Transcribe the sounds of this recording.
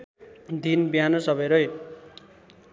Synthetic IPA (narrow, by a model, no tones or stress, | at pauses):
d̪ʱinbiɦanʌsʌbʌjɾʌj